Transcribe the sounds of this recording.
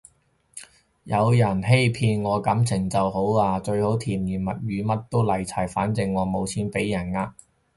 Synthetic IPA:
jɐ˨˧wjɐ˨˩nɦe˥jpʰiː˧nŋɔː˨˧kɐ˨˥mt͡sʰɪ˨˩ŋt͡sɐ˨who˨˥waː˧t͡ʃɵ˧ɥho˨˥wt̪ʰiː˨˩mjiː˨˩nmɐ˨˩t̚jyː˨˧mɐ˥t̚t̪o˥wlɐ˨˩jt͡sʰaː˨˩jfa̰ː˨˥nt͡sɪ˧ŋːɔː˨˧mo˨˧wt͡sʰiː˨˥npe˨˥jːɐ˨˩naː˧

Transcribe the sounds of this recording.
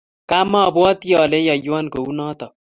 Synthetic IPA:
ka˦ma˦˨bɔ˦t̪i˦jɔ˨le˦ja˨ja˦nko˨u˦nɔ˦t̪ɔ˨

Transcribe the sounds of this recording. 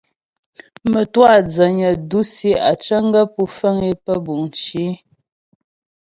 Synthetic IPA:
mə˨twa˦˨d͡zə˨ɲə˨du˦si˦a̰˨t͡ʃə˦ŋ˦ɡə˦pu˦fə˦ŋe˦pə˦bu˨n˨t͡ʃi˨˦

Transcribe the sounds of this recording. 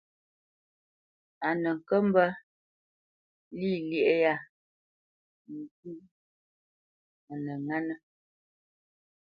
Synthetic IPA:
a˨nə˨ŋ̩˨kə˦m˦bə˦ | li˦˨ljɛ˦˨ʔe˦ja˦˨ | n̩˨ɡu˦ | a˨nə˨ŋa˦nə˦

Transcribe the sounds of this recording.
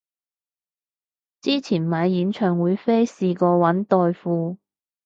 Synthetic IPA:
t͡siː˥t͡sʰiː˨˩nmaː˨˧jjyː˨˥nt͡ʃʰœː˨˩ŋwuː˨˧jfe˥jsiː˨˧kɔː˧wɐ˨˥nt̪ɔː˧jfuː˧

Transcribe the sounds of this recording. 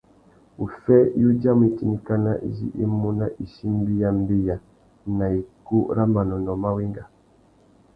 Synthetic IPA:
u˨fɛ˦ju˦d͡ʒa˦m˨i˨ti˨ni˨ka˦na˦ʔzḭ˦ʔi˦mu˦na˦ʔi˨ʃi˦m̩˦bi˦ja˨m̩˦bi˦ja˨ | na˨i˨ku˦ɾa˦ma˨nɔ˨nɔ˨ma˦wi˦ŋɡa˨

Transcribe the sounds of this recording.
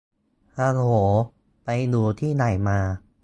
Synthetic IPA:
ʔaː˧hoː˩˦ | pa˧jduː˧t̪ʰiː˥˩na˨˩jmaː˧

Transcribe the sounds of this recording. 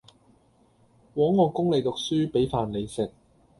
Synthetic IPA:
wɔː˨˥ŋːɔː˨˧kʊ˥ŋle˨˧jt̪ʊ˨k̚syː˥pe˨˥jfaː˨nle˨˧jsɪ˨k̚

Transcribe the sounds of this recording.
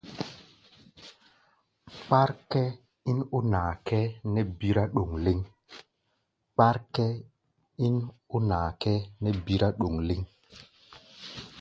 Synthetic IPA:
k͡pa˦ɾkɛ˦ | i˦no˦naː˨kɛ˦nɛ˦bi˦ɾa˦ɗo˨ŋli˦ŋ | k͡pa˦ɾkɛ˦ | i˦no˦naː˨kɛ˦nɛ˦bi˦ɾa˦ɗo˨ŋli˦ŋ

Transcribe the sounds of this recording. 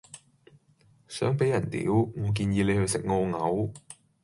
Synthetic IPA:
sœ̰ː˨˥ŋpe˨˥jɐ˨˩nt̪ḭː˨˥wŋɔː˨˧k̬iː˧njiː˧le˨˧jhɵ˧ɥsɪ˨k̚ŋoː˧ŋɐ˨˥w

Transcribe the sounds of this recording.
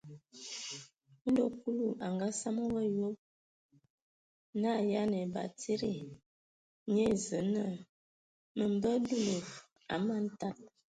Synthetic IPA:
n̩˦do˨ku˦lu˨ʔa˨ŋɡa˦sa˦mo˦wə˦jo˦p̚ | na˦˨ja˦ne˨ba̰˨ti˦ɾi˦˨ | ɲe˦˨zə˨˦nə˦˨ | mə˨m˨bə˦du˦lo˨ | a̰˨˦ma˦n˦ta˨t̚

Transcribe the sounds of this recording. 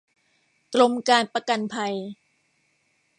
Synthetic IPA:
klo˧mkaː˧npa˧ka˧npʰa˧j

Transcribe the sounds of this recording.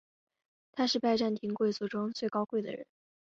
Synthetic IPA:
t̪ʰa˥ʂɻ̩˥˧pa˥˧ɪʈ͡ʂa˥˩nt̪ʰi˧˥ŋkwe˥˩ɪt͡su˧˥˩ʈ͡ʂʊ˥ŋt͡swe˥˩ɪkɑ˥ʊkwe˥˩ɪd̪ə̰˩ɻə̰˧˥n

